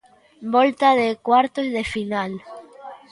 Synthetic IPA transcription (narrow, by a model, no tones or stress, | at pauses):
bɔlt̪aðekwaɾt̪ozðefinal